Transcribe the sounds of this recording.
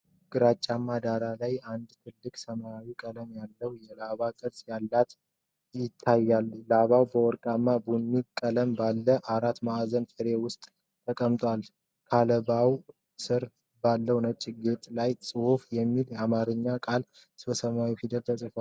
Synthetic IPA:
ɡ̥ɨɾat͡ʃʼːamːad̪aɾalajand̪t̪ʰɨlːɨkʼsəmaawikʼələmjalːəwjɛlaβakʼɨɾsjalːat̪ | jɪt̪ʰːajːallaβawbəwɔɾkʼamːabunːukʼələmbalːəʔaɾat̪maazənfəɾewʊst̪ʼ | t̪ʰəkʼəmt̪ʼwal | kʰaləbaw | sɨɾ | balːəwnət͡ʃʼːiɡet̪ʼlajsʼɨwufjɛmːiljamaɾɨɲːakʼal | sbəsəmawifid̪əlt̪ʰəsʼɨfwal

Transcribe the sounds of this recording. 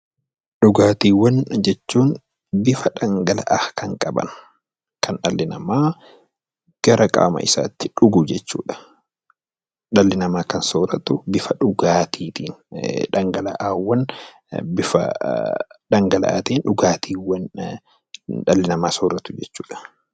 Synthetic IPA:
ɗʊɡaːt̪iːwɐnd͡ʒɛt͡ʃːuːn | bɪfɐᶑɐŋɡɐlɐ̰ʔaːkʰɐŋkʼɐbɐ̰n | kʰɐnᶑɐlːɪnɐmaː | ɡ̥ɐɾɐkʼa̰ːmɐ̰ʔɪsa̰ːt̪ːɪᶑʊɡud͡ʒɛt͡ʃːuːᶑɐ̥ | ᶑɐlːɪnɐmaːkɐnsoːɾɐt̪ʊbɪfɐᶑʊɡaːt̪ʰiːt̪iːnᶑɐŋɡɐlɐʔaːwːɐn | bɪfɐ̰ | ɗɐŋɡɐlɐ̰ʔa̰ːt̪eːnᶑʊɡaːt̪ʰiːwɐn | ᶑɐlːɪnɐmaːsoːɾɐt̪ʊd͡ʒɛt͡ʃːuːᶑɐ̥

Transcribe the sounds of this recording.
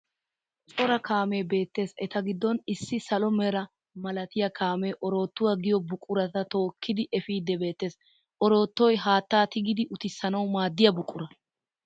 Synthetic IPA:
t͡sʼɔɾɐkʰaːmeːbe̞ːt̪ːe̞ːsɛt̪ɐɡɪd̪ːɔnɪsːɪsɐlɔmɛɾɐ | mɐlɐt̪ɪjɐkʰaːmeʔɔɾo̞ːt̪ːʊwaɡɪjɔbʊkʼːʊɾɐt̪ɐt̪o̞ːkʰːɪd̪ɪʔɛfiːd̪ːɛbe̞ːt̪ːe̞ːs | ʔɔɾo̞ːt̪ːɔjɦaːt̪ːaːt̪ɪɡɪd̪ɪʔʊt̪ɪsːɐnɐwmaːd̪ːɪjɐbʊkʼːʊɾɐ

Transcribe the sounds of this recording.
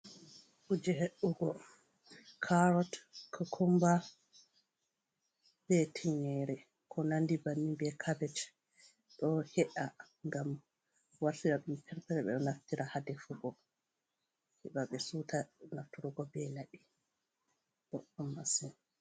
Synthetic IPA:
kud͡ʒɛɦeɗːuɡɔ | kʰaɾɔtkʰɔkʰɔmba | b̥ɛtʰiɲɛɾɛ | kʰɔnandibanːimbɛkʰabɛt͡ʃ | ɗɔhɛʔa | ŋɡam | waɾtiɾaɗumpʰɛɾpɛɾɛɓɛ̰ɗɔnaftiɾahadɛfuɡɔ | hɛɓaɓɛsutʰanaftuɾuɡɔbɛlaɗi | bɔʔɔmːasin

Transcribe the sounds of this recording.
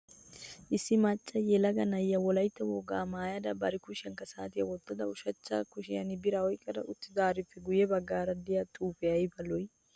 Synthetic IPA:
ʔɪsːɪmɐt͡ʃʼːɐjɛlɐɡɐnɐjːɐwɔlɐjt̪ːɐwɔɡaːmaːjɐd̪ɐbɐɾɪkʊʃɪɐŋkɐsaːt̪ɪjɐwɔt̪ːɐd̪ɐʊʃɐt͡ʃːa̰kʊʃɪjɐnɪbɪɾɐɔjkʼːɐd̪ɐʔʊt̪ːɪd̪aːɾɪfːɛɡʊjɛbɐɡːaːɾɐd̪ɪjɐt̪ʼuːpɛɐjbɐlɔj

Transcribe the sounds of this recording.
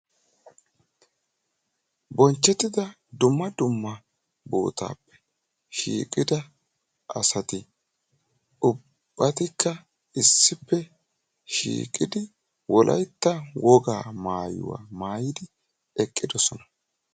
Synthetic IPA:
bɔnt͡ʃːɛt̪ːɪd̪ɐ | d̪ʊmːɐd̪ʊmːɐ | bo̰ːt̪a̰ːpːɛ̥ | ʃḭːkʼɪd̪ɐ | ʔɐsɐt̪ɪ | ʔʊ | b̥ːɐt̪ɪkːɐ | ɪsːɪpːɛ | ʃḭːkʼɪd̪ɪ | wɔlʔɐ̰jt̪ːɐwɔɡaːmaːjʊ̰wa̰ːmaːjɪd̪ɪ | ɛkʼːɪd̪ɔsɔnɐ

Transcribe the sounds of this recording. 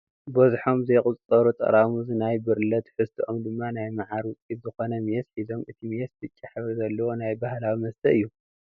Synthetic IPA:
bɐzħo̞mzɐjkʼʊt͡sʼɐɾut̪ʼɐ̰ɾamuzɨnajbɨɾlɐt̪ħɨst̪ʰiʔomd̪ɨmːanajmaʕaɾwʊt͡sʼit̪zɨxo̞nɐmjesħizo̞mɨt̪ʰimesdɨt͡ʃʼːɐħɨβzɐlːɐwo̞najbahlawimɐst̪ʰɐɨjːu

